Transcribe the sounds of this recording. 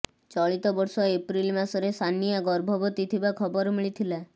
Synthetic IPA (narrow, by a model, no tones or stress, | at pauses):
t͡ʃɔɭit̪ɔbɔɾsɔepɾilmasɔɾesʰanijaɡɔɾbʱɔbɔt̪it̪ʰibakʰɔbɔɾmiɭit̪ʰila